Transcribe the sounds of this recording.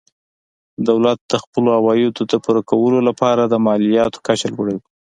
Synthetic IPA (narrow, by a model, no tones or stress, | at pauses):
d̪awlat̪̚d̪̥əxpəloawɑjjod̪əd̪əpuɾakawəlolapɑɾad̪əmɑlijɑt̪o̥kat͡ʃalwəɽawi